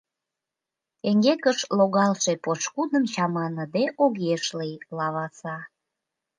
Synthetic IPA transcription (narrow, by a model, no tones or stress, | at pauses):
t̪eŋɡekəʃloɣɑlʃepot͡ʃkud̪əmt͡ɕɑmɑnəd̪eʔoɣeʃlijlɑβɑsɑ